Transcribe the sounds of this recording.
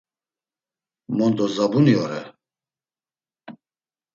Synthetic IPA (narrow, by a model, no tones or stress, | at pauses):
mɔnd̪ɔzabuniɔɾɛ